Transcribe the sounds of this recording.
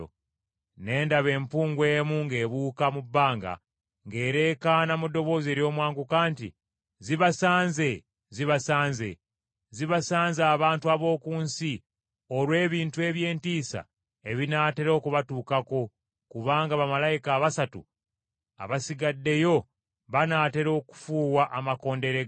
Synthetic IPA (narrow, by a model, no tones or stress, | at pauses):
ne̞ːndaβe̞ːmpuːŋɡwe̞ːmuŋɡe̞ːβuːkamubːaːŋɡa̰ | ŋɡe̞ːɾe̞kanamudːo̞βo̞ːze̞ːɾjo̞ːmwaːŋɡukaːntḭ | ziβasaːnze | ziβasaːnze̞̰ | ziβasaːnzaːβaːntuaβo̞ːkuːnsi | oɾwe̞ːβiːntue̞βje̞ːntiːsa̰ | e̞βinaːte̞ɾo̞ːkuβatuːkako̞ | kuβaːŋɡaβamalajikaːβasatṵ | a̰βasiɡadːe̞jo̞ | βanaːte̞ɾo̞ːku̥fuːwaʔamako̞ːnde̞ɾeɡa